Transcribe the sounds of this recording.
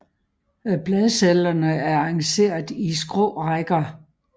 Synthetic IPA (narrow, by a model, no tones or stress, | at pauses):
b̥lɛðˠselɐnəæɐɑ̈ŋse̝̰ːɐðˠisɡ̥ʁɔ̰ːʁaɡ̥ɐ